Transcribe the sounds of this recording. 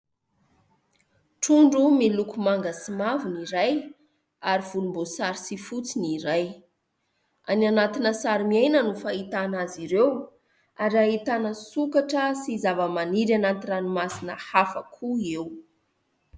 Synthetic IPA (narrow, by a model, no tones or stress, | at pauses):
ʈ͡ʂuɳɖ͡ʐumilukumaŋɡəsimavuniɾaj | aɾiv̥ulumbosaɾisifut͡siniɾaj | a̰nanat̪inəsaɾimiajnənufait̪anaziɾew | aɾiaɦit̪anəsukaʈ͡ʂəsizavəmaniɾanant̪iranimasinəhafəkʰuew